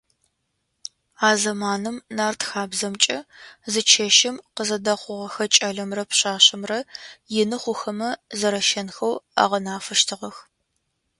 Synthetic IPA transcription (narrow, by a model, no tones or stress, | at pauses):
aːzɐmaːnɨmnaːrtxaːbzɐmt͡ʃʼɐzɨt͡ʃʰɐʃɪmqəzɐdɐχʷʊʁɐxɐt͡ʃʼɐɮɐmrɐpɕaːɕɪmrɐjɪnɨχʷʊxɐmɐzɐɾɐʃɐnxɐwa̰ːʁɐnaːfɨʃtʰɨʁɐx